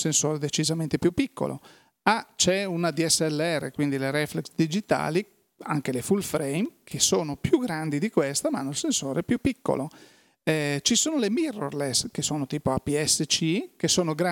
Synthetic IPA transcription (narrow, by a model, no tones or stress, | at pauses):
sensoːɾed̪et͡ʃizament̪epjupːikʰːo̰lʔo̰ | at͡ʃɛunad̪iɛsːɛlːeɛrːḛkwind̪ileɾɛfleksd̪id͡ʒit̪a̰ːli | a̰ŋkelefulfɾejmkʰesoːnopjuɡɾand̪id̪ikwest̪amaanːoilsensoːɾepjupːikːo̰lo | ɛt͡ʃisoːnolemirːorleskesoːnot̪iːpoapiɛsːet͡ʃikesoːnoɡɾa